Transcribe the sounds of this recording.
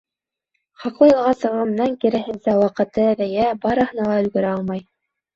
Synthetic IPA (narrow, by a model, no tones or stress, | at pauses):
χɑqlˠɤjɤ̆lˠʁɑsɤ̆ʁɤ̆mnɑŋkiɾæ̆ɦɘ̆nsæwɑqɤ̆t̪ɤæðæjæbɑɾɤ̆hɤ̆nɑlˠɑɵ̆lɡɵ̆ɾæɑlˠmɑj